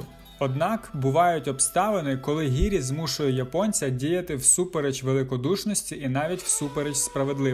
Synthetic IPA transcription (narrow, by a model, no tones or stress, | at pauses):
ɔd̪nɑkbʊʋɑjʊtʲɔpst̪ɑʋenɪkɔlˠɪɦʲiɾʲizmuʃʊjʊjɐpɔnʲt͡sʲɐdʲijɐt̪ɪwsupeɾet͡ʃʋelˠɪkɔd̪uʃnɔsʲtʲiʔinɑʋʲitʲw̥supeɾet͡ʃspɾɐʋe̞d̪lˠɪ